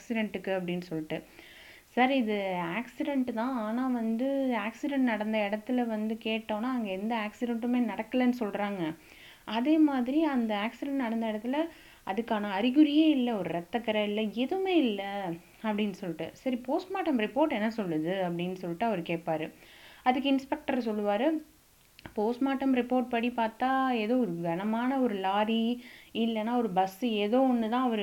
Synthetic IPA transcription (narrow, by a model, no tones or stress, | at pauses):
ksɪɖɛɳʈɯkːɯɐp̬ːɐɽɪnːɯsɔlːɪʈːɯ | sɐɾɪðɯaːksɪɖɛɳʈt̪ãːaːnaːʋɐnd̪ɯaːksɪɖɛɳʈnɐɽɐnd̪ɐɪɽɐt̪ːɪlɐʋɐnd̪ɯkeːʈːõːnːaːɐŋɡɐɛnd̪ɐaːksɪɖɛɳʈɯmeːnɐɽɐkːɐlɐnːɯsɔlɾaːŋɡɐ | ɐðeːmaːðɪɾiɐnd̪ɐaːksɪɖɛɳʈnɐɽɐnd̪ɐɪɽɐt̪ːɪlɐ | ʔɐðɯkːaːnɐːɾɪɣɯɾɪjeːɪlːɐɔɾɯɾɛt̪ːɐkːɐɾɐɪlːɐɛðɯmeːɪlːɐ | ɐpːɐɽɪnːɯsɔlːɪʈːɯ̰sɐɾipoːsʈmaːʈːɐmɾɪpoːɾʈɛnːɐsɔlːɯðɯɐp̬ːɐɽɪnːɯsɔlːɪʈːɯɐʋɐɾɯkeːʈ̚paːɾɯɐðɯkːɯɪnspɛk̚ʈɐɾs̬ɔlːɯʋaːɾɯ | poːsʈmaːʈːɐmɾɪpoːɾʈ̚pɐɽipaːɾt̪aːeːðoːɔɾɯɡɐnɐmaːnɐɔɾɯlaːɾiɪlːɐnːaːɔɾɯbɐseːðoːɔnːɯt̪ãːɐʋɐɾɯ